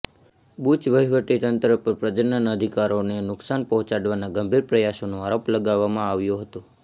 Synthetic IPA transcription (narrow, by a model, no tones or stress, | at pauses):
but͡ʃʋəɦiʋəʈit̪ənt̪ɾəpəɾpɾəd͡ʒənənəd̪ʱikaɾonenʊksanpəɦɔ̃t͡ʃaɽʋanaɡəmbʱiɾpɾəjasonoaɾopləɡaʋːamãaʋjoɦət̪o